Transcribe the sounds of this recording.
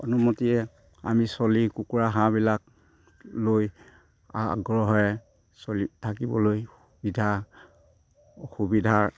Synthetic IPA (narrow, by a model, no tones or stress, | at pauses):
ɔ̰numɔtijɛ | a̰misɔlikukuɹaɦãbilak̚ | loj | a̰ɡɹɔɦɔɛ | solitʰakibɔ̰loj | bidʱa | xubidʱaɹ